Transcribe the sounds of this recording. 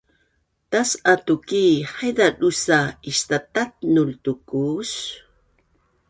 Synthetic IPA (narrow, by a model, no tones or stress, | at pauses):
tasatukiħajdadusaistatat̚nultukus